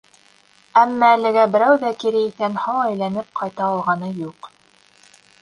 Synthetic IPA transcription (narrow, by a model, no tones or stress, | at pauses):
æmːæːlɘ̆ɡæbɘ̆ɾæwðækiɾɘiθænhɑwæjlænɘp̚qʰɑjt̪ɑːlˠʁɑnɤjuq